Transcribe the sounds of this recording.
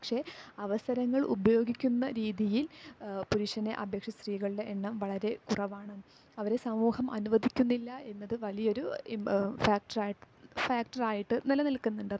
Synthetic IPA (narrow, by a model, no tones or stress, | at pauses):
pɐkʂe̞ɐʋɐsɐɾɐŋːɐɭʔṵbɐjo̞ːɡikʲːunːɐɾiːðijilpuɾuʂɐneʔɐbʱjekʂɐst̪riːɣɐɭɨɽe̞ʔːɳːɐmʋɐɭɐɾe̞kurɐʋaːɳɨ | ɐʋɐɾe̞sɐmuːhɐmɐ̰nuʋɐd̪ʱikʲːunːilːɐʔe̞nːɐðɨʋɐlijɐo̞ɾu | faːk̚ʈɐraːjiʈːɨ | faːk̚ʈɐraːjiʈːɨnilɐnilkunːuɳɖɐ